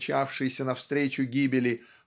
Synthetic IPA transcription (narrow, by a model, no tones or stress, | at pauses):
t͡ɕafʂɨjɪsʲənɐfst̪ɾʲet͡ɕʊɡʲibʲɪlʲɪ